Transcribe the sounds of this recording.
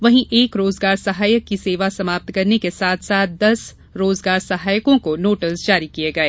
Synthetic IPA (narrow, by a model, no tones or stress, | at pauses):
ʋɐɦĩʔeːkɾoːzɡaːɾsɐɦaːjəkːiseːʋasɐmaːp̚t̪kɐɾnekesaːt̪ʰsaːt̪̚ʰd̪ɐs | ɾoːzɡaːɾsɐɦaːjəkõkonoːʈəsd͡ʒaːɾikieɡɐeː